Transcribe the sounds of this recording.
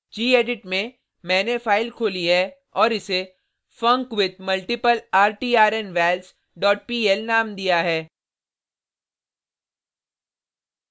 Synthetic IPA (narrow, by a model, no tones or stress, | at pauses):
d͡ʒiːeːɖɪʈmẽ | mɛ̃ːnefaːɪlkʰoːliɦɛ | ɔːɾɪse | fɐ̃ŋkwɪd̪̚mɐlʈɪpəlaːɾʈiːaːɾenʋɛːls | ɖɔːʈ̚piːɛlnaːmd̪ijaɦɛː